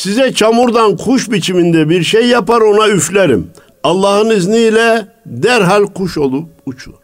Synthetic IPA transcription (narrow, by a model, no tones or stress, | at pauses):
sizɛt͡ʃʰamuɾd̪ankʰuʃbit͡ʃʰimind̪ɛbiɾʃejːapaɾo̞nayflʲæɾḭm | ɑlˠːɑhɯniznilʲɛ | d̪æɾɦalʲkʰuʃo̞lˠup̚ut͡ʃʰuɾ̥